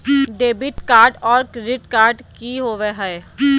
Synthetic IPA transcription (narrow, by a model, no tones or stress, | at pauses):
ɖeːbɪʈkaːɾɖɔːɾkɾɪʈkaːɾɖkiɦoːʋeɦɛː